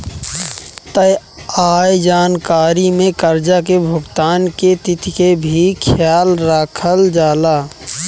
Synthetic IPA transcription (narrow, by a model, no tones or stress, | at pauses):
t̪əj | aːjd͡ʒaːnkaːɾimẽkəɾd͡ʒakebʱʊɡt̪aːnket̪ɪt̪ikebʱikʰjaːlɾaːkʰəld͡ʒaːlaː